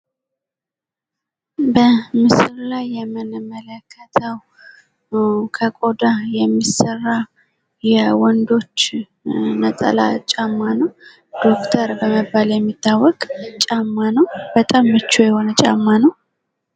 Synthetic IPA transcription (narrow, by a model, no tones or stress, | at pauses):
bəmɨsɾlajːɛmɨnmələkʰːət̪ʰəw | kʰəkʼod̪ajɛmːisərːa | jɛwɔnd̪o̞t͡ʃː | nət̪ʼə̰la̰t͡ʃʼamːanəw | d̪̥o̞kt̪ʰəɾbəməbaljɛmːit̪ʰːawːɔkʼt͡ʃʼamːanəwbət̪ʼamːət͡ʃːojɛho̞nət͡ʃʼamːanəw